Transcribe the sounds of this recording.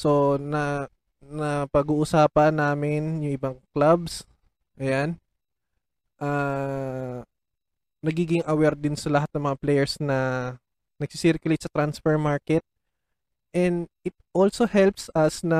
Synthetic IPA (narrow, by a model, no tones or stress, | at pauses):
so̞nɐ | nɐpɐɡuːʔʊsaːpɐnːaːmɪnjʊŋʔɪbɐŋklabs | ʔɐjan | ʔa | nɐɡiːɡɪŋʔɐwɛɾd̪ɪnsɐlɐɦat̪nɐŋmɐŋaplɛjɛɹsnɐ | nɐɡ̥̚sisiɾkjʊlejt̪sɐt̪ɾansfɛɹmaɹkɛt̪̚ | ʔɛnd̪ | ɪt̪̚ʔolsohɛlpsʔɐsnɐ